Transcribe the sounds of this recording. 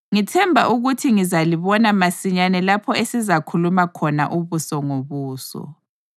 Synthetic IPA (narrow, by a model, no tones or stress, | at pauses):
ŋitʰɛmbʱaʔuɣutʰiŋizaliβɔnamasiɲanɛlapʰɔesizakʰulumakʰɔna̰ʔuβusɔŋoβuːsɔ̰